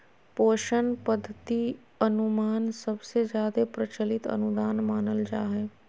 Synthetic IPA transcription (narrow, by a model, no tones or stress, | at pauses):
poːʃənpəd̪ʱːət̪i | ənʊmaːnsəbsezjaːd̪epɾət͡ʃəlɪt̪ə̰nʊd̪aːnmaːnəld͡ʒa̰ːɦɛː